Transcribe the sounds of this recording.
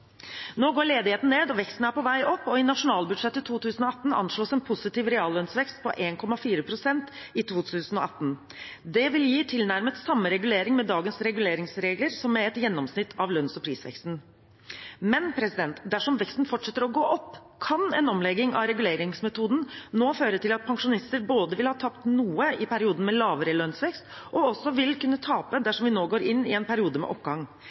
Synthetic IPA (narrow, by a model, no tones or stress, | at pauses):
noːɡoːɭeːd̪ɪheːt̪n̩neːd̪ɔʋɛkst̪n̩əæɾpɔʋæɪʔɔpːɔɪnɑʂʊnɑːlbʉɖ̪ʂɛt̪ːət̪ʰuːt̪ʰʉːsən̩ɔɑt̪ːn̩ɑ̰nʂɭoːsɛnpʰʊsɪt̪iːʋɾɛɑːlːœnsʋɛkst̪̚pʰɔ̰ʔeːnkʰɔmɑfiːɾəpʰɾʊsɛnt̪ɪt̪ʰʋuːt̪ʰʉsən̩ɔɑt̪ːn̩ | d̪ɛʋɪljiːt̪ʰɪlnæɾmət̪sɑmːəɾɛɡʉleːɾɪŋmɛd̪ɑːɡənsɾɛɡʉleːɾɪŋsɾeːɡləɾsɔmːɛɛt̪jɛnːɔmsnɪt̪ʰːɑʋlœnsɔpʰɾiːsʋɛ̰kst̪n̩ | mɛnpʰɾɛsɪd̪ɛnt̪d̪æʂɔmʋɛkst̪n̩fɔʈʂɛt̪ːəɾɔɡoːʔɔpː | kʰɑnɛnɔmlɛɡɪŋʔɑ̰ɾɛɡʉleːɾɪŋsmɛt̪uːd̪n̩noːføːɾəʈ̪ɪlɑt̪̚pʰɑŋʂʊnɪst̪əɾboːd̪əʋɪlhɑːt̪ʰɑpt̪nuːəɪpʰæɾɪuːd̪n̩mɛlɑːʋəɾəlœnsʋɛkst̪ʔɔɔsːɔʋɪlkʉnːət̪ʰɑːpəd̪æʂɔmʋɪnoːɡoːɾɪnːɪɛnpʰæɾɪuːd̪əmɛ̰ʔɔpɡɑŋː